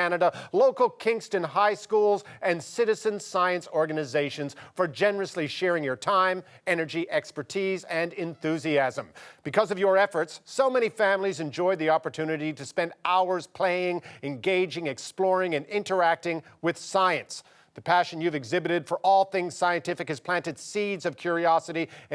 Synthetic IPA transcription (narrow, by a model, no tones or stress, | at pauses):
ænɨɾəloʊkl̩ˠkʰɪ̃ŋstɨ̃nɦaɪskulˠzɨ̃nsɪɾɨzɨ̃nsaɪɨ̃nsɔɹɡɨnɨzeɪʃɨ̃nz̥fə˞d͡ʒɛnə˞ɨsliʃɛɹɪ̃ŋjə˞tʰãɪ̃m | ɛnə˞d͡ʒiʔɛkspə˞tʰizɨ̃nɨ̃nθʉziæzə̃mb̥ɨkʰʌzʌvjə˞ɛfə˞tsːoʊmɛɾ̃ifæ̃mlizɨ̃nd͡ʒɔɪd̪̚ðiɑpə˞tʰʉnɨɾiɾɨspɛ̃ndaʊə˞z̥pʰl̥eɪɪ̃ŋɨ̃nɡeɪd͡ʒɪ̃ŋɨksplɔɹɪ̃ŋɨ̃nɪ̃ntə˞æk̚tɪ̃ŋwɨð̥saɪɨ̃ns | ðɨpʰæʃɨ̃njʉvɨɡzɪbɨɾɨd̥fə˞ʔɔlˠθɪ̃ŋz̥saɪɨ̃ntʰɪfɨkhɨz̥pʰl̥æ̃ntɨd̥sidzʌv̥kʰj̥ʊɹiɑsɨɾi